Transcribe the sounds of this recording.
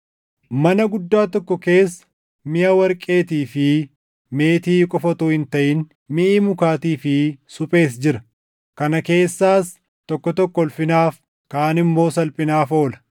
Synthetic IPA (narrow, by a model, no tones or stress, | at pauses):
mɐnɐɡʊd̪ːaːt̪ɔkːɔke̞ːsːɐ̥ | mɪjɐwɐɾkʼe̞ːt̪iːfɪ | me̞ːt̪iːkʼɔfɐt̪oːhɪnt̪ɐʔɪn | mɪʔiːmʊkaːt̪iːfɪsʊpʼe̞ːs̬d͡ʒɪɾɐ | kɐnɐke̞ːsːaːs | t̪ɔkːɔt̪ɔkːɔɔlfɪnaːf | kaːnɪmːo̞ːsɐlpʼɪnaːfo̞ːlɐ̥